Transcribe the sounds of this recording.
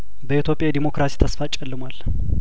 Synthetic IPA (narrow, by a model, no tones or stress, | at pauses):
bəit̪ʰjo̞pʼːjajɛd̪imo̞kɾasi̥t̪ʰəsfat͡ʃʼːɛlːɨmwal